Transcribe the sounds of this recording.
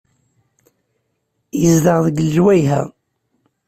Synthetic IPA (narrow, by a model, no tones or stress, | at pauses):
jəzd̪əʁðəɡlʒwæjɦæ̰